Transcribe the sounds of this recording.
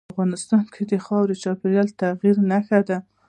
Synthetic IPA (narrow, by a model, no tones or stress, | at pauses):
fɣɑnɪst̪ɑnkʰed̪əxɑwd̪ət͡ʃɑpeɾjɑlt̪aɣiɾnaxad̪a